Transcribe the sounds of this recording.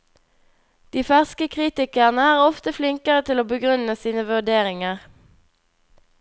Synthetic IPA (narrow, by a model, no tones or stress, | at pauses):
d̪̥iːfæʁskəkʰʁiːt̪ɪkəʁnəæːʁɔft̪əflɪŋkəʁət̪ʰɪloːbəɡʁʉnəsiːnəʋʉʁd̪eːʁɪŋəʁ